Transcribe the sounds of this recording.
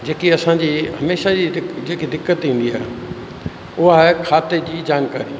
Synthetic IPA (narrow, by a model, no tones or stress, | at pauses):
d͡ʑeːkiɐsãd͡ʑiːɦɐmeːʃad͡ʑid͡ʑeːkid̪ɪkːət̪ĩːn̆d̪iaːɦ | ʊɦaɦkʰaːt̪ed͡ʑiːd͡ʑaːnkaːɾi